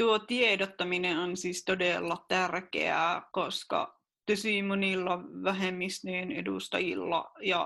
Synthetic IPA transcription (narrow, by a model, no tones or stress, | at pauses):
t̪uot̪iedot̪ːɑmineonsist̪odelːɑt̪ærkḛæ̰ˑkoskɑ̰ | t̪osiˑmonilːɑʋæɦemːist̪eːnedust̪ɑjḭlːɑ̰jɑ